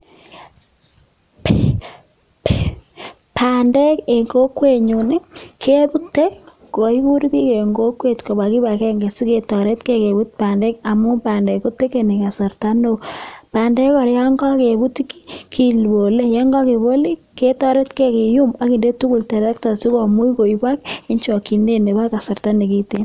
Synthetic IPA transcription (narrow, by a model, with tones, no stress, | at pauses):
p | pʰa˨nde˦ke˨ŋko˦kwe˦˨ɲu˨nɪ˦kʰe˦bu˦tːe˦k | ko˨i˦ku˦ɾi˦ki˦ke˨ŋɡo˦kwe˦˨tko˨ba˨ki˦ba˨kɛ˦ŋɡe˨si˦ke˨tɔ˨ɾe˦tke˦ke˨bu˦t̚pa˨nde˦k̚a˨mu˦pa˨nde˨ko˦te˦ke˨ni˨ka˨sa˨ɾta˦no˦pa˨ndɛ˦ka˨ɾja˦ŋɡɔ˦ke˨bu˦tiki̥˦kʰi˦lbo˨le˦jɛ˦ŋɡɔ˦ki˨bo˦li˦ke˦tɔ˦ɾe˦tke˦ke˨ju˦ma˨˦ki˨nde˦tu˦ku˨ltɛ˨ɾɛ˦kta˨si˦ko˨mu˦iko˨i˦bwa˦k̚i˦ɲt͡ʃɔ˨ki˨nde˦ne˨ba˦ka˨sa˨rta˦ne˨ki˦te˦n